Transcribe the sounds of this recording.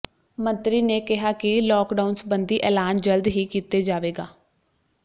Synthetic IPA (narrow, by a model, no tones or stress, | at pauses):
mə̃nt̪ɾiːneːkɪɦaːkɪlɔːkɖaʊnsbənd̪iːʔɛːlaːnd͡ʒəld̪ɦiːkiːt̪eːd͡ʒaːʋeːɡaː